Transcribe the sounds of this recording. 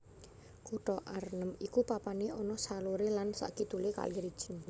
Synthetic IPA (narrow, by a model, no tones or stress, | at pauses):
kuʈɔʔaɾnəmikupapaneɔnɔsaluɾelansa̰ʔkit̪uleka̰liɾid̥ʒ̥ən